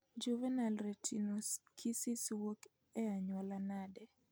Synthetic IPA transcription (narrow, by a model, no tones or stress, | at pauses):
d͡ʒuvɛnalretʰinoskʰisiswok | ɛaɲwɔlanadɛ